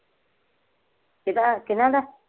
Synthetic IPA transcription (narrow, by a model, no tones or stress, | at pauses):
ket̪aʔkinãd̪a